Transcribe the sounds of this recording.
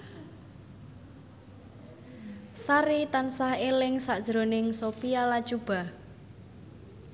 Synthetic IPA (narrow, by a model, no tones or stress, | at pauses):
saɾit̪ansahelɪŋsaʔd̥ʒ̥ɾonɪŋsopialad̥ʒ̥ub̥a̤